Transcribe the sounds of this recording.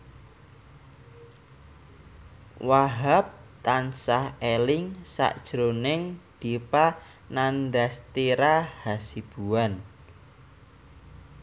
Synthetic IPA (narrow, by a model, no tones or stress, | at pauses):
waɦap̚t̪ansahelɪŋsa̰ʔd̥ʒ̥ɾonɪŋd̪̥ipa | nanɖast̪iɾahasib̥uan